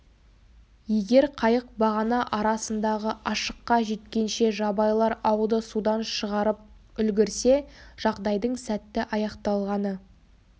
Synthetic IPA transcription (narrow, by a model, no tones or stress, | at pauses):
je̞ɡʲe̞ɾqʰɑjəq̚bɑʁɑnɑʔɑɾɑsənd̪ɑʁəʔɑʃə̥qːɑʒe̞t̪kʲe̞nʃe̞ʒɑbɑjlˠɑɾɑwd̪əsud̪ɑnʃəʁɑɾəp̚ | ʏlɡʲɪɾse̞ʒ̥ɑʁd̪ɑjd̪əɴsæt̪ːɪʔɑjɑqt̪ɑlˠʁɑnə